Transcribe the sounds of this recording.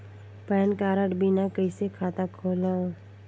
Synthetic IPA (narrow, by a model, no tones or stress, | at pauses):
pɛːnkaːɾəʈbʱinakəisekʰaːt̪akʰoːlã